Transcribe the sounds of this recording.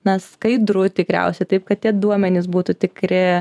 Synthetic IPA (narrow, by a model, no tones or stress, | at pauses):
nɐskɐɪd̪ɾʊt̪ʲɪkɾʲɛ̰ʊsʲɛɪt̪ɐɪp̚kɐt̪̚t̪ʲiɛd̪uɔmʲɛnʲɪs̬buːt̪ʊt̪ʲɪkɾʲɪ